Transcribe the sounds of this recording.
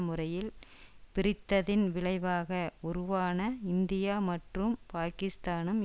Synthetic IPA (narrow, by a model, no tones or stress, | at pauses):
mɯrɐjɪlpɪrɪt̪ːɐðɪnʋɪɭɐɪʋaːɣɐɔɾɯʋaːnɐɪnd̪ɪjaːmɐʈrɯmpaːkɪst̪aːnɯm